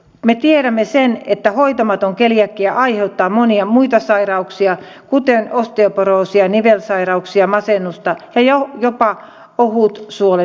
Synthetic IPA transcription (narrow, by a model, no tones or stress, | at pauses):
met̪ieɾæmːesenet̪ːæhoit̪ɑmɑt̪oŋkelijækːiæʔɑiheut̪ːɑːmoniɑmuit̪ɑsɑirɑuksiɑ | kut̪enost̪eoˑporoˑːsiɑniʋelsɑirɑuksiɑmɑsenːˑust̪ɑjɑjojopɑ | ohuˑt̪suole